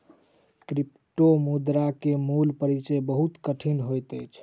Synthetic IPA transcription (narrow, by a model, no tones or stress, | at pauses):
kɾip | ʈomud̪ɾakemulpəɾit͡ʃəjbəɦut̪kəʈʰinɦojt̪əjt͡ʃʰ